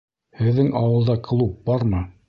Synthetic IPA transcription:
hɘ̆ðːɘŋʔɑwɤ̆lˠd̪ɑklˠup̚bɑɾmɤ

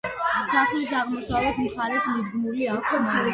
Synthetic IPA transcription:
saχlisaʁmɔsavɛt̪ʰmχaɾɛsmid̪ɡmuliakʰɔ

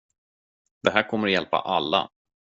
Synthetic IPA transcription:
d̪̥ɛɦæːɾkʰɔmːəɾɔjɛlpa̰ʔalːa̰

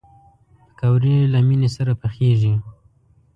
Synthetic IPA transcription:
pə̥kawɾilaminesaɾapəxeʒi

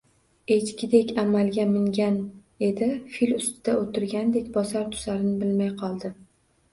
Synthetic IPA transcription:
e̞t͡ʃkʲɪd̪ekʲamalˠɡʲamɪŋɡʲan | e̞d̪ɪfilʊst̪ɪd̪̥aot̪ʰɪɾɡʲand̪e̞kʲbɒzaɾt̪ʰʊ̥zaɾɪnɪbɪlmajqʰɒlˠd̪ɪ

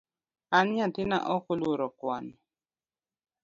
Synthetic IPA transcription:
anɲatɪna̰ʔɔkoluɾɔkwan

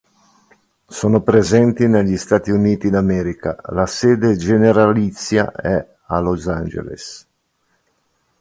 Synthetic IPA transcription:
soːnopɾezɛnt̪ineʎːist̪aːt̪iuniːt̪id̪amɛːɾika̰laseːd̪ed͡ʒeneɾalit̪sːja̰ɛ | alozand͡ʒḛlḛs

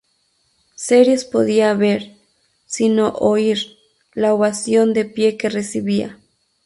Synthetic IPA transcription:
seɾjespoðiaβeɾ | sinoʔoiɾ | laoβasjo̞nd̪epje̞keresiβia̰

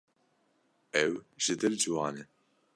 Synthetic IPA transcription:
ɛwʒɨd̪ɨld͡ʒɨwɑːnɛ

